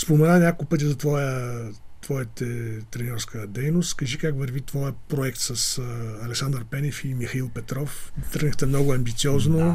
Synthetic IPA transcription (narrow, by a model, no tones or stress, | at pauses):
spomɛnanʲakopɤt̪̬ʲizɐt̪vɔjət̪vɔjət̪ɛt̪ɾɛnʲɔɾskəd̪ɛjnost̪kɐʒikakvəɾvit̪vɔjəpɾoɛkt̪sɐsɐlɛksand̪əɾpɛnʲɛfimixɐilˠpɛt̪ɾɔft̪əɾɡəxt̪ɛmnɔɡʊɐmbit̪siɔzno